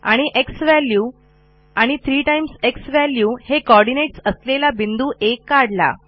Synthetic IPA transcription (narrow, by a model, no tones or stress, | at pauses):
a̰ɽ̃iʔeksʋæljuː | aɽ̃it̪ʰɾiːʈajmseksʋæljuːhekɔɾɖineʈsəslelabind̪uːʔekːaɽla̰